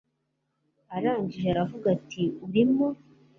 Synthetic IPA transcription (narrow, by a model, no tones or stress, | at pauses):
aɾaːɲɟiʒeaɾavuɡatʰiuɾimo